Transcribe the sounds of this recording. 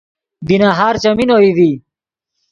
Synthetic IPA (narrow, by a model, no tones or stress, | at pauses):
binaːɦaːɾt͡ɕɐminoiði